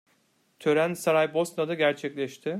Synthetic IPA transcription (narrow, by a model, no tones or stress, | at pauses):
t̪ʰø̞ɾænsaɾajbo̞snad̪aɟæɾt͡ʃʰɛclʲɛʃt̪ʰɪ